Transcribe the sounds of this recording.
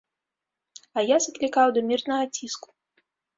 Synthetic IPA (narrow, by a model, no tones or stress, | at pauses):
ɐjazɐklʲikawd̪ɐmʲirt̪nɐɣɐt͡sʲisku̥